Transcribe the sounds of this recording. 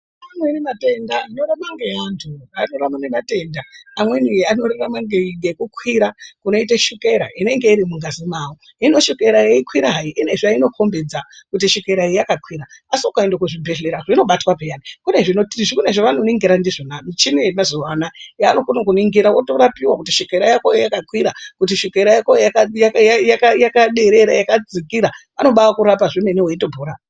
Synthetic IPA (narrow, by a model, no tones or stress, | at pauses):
anenemate̞ndanoɾamaŋɡeantʰuanoɾamanemate̞ːndaamwe̞niianoɾeramaŋɡeŋɡekukwiɾakuno̞iteʃukeɾa̰ʔine̞ŋɡe̞iɾimuŋɡazimaːwo | ino̞ʃukeɾaeikwiɾaɦaiʔine̞ʐaino̞kʰo̞mbed͡zakut̬iʃukeɾaeakakwiɾaasiokaendokuʐibʱeɮeɾaʐino̞ɓatwapejanikune̞ʐinoʐikuneʐoʋano̞niŋɡiɾandiʐonamit͡ʃinemazoʋanajaːno̞konokuniŋɡiɾawoto̞ɾapiwakutiʃikeɾajakojejakakwiɾakutiʃikeɾajakojjakajajajakajakaɗeɾeɾajakad͡zikiɾa | ano̞ɓawakuɾapaʐineneweintobʱuːɾa